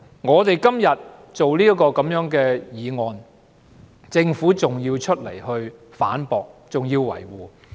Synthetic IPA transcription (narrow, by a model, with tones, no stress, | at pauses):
ŋɔː˨˧t̪e˨jkɐ˥mjɐ˨t̚t͡so˨wliː˥ɐ˥kɔː˧kɐ˨˥mjœː˨˥ŋkɛː˧jiː˨˧ŋɔː˨n | t͡sɪ˧ŋfuː˨˥t͡sʊ˨ŋjiː˧wt͡ʃʰɵ˥t̚lḛ˨˩jhɵ˧ɥ | faː˨˥npɔː˨k̚t͡sʊ˨ŋjiː˧wwɐ̰˨˩jwuː˨˩